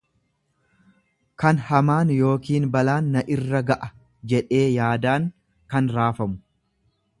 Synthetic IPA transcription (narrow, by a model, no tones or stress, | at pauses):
kɐnhɐmaːnjo̞ːkiːnbɐlaːnːɐʔɪrːɐɡɐʔɐ | d͡ʒɛᶑe̞ːjaːd̪aːŋ | kɐnɾaːfɐmʊ